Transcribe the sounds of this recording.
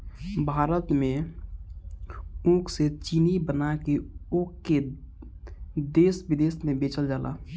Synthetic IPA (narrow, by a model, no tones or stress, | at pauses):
bʱaːɾət̪mẽ | ũkset͡ʃinibənakeoːkːe | d̪eːsbɪd̪eːsmẽbeːt͡ʃəld͡ʒaːlʔa̰